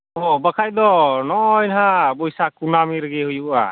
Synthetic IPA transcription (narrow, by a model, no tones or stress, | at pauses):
ɦɔbəkʰajd̪ɔnɔjnɦabɔjsakunamiɾɡɛhujuʔa̰